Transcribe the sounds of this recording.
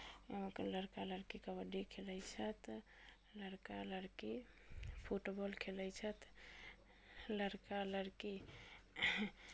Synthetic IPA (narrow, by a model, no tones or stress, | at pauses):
kləɾkaləɾkikəbəɖikʰeləjt͡ʃʰət̪ | ləɾkaləɽki | pʰuʈbɔlkʰelɛjt͡ʃʰət̪ | ləɾkaləɾki